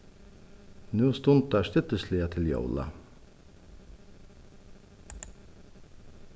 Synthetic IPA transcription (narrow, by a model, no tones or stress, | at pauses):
nʉːst̪ʊnt̪̚d̪æːʂt̪ʏt̪əsliːɑt̪ʰɪljo̰ʊlɑ̰